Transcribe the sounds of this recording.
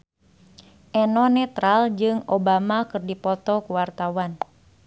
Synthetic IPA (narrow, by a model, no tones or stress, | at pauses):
ʔɛnɔnɛt̪ɾald͡ʒɨŋobamakɨrdipɔt̪ɔkuwart̪awan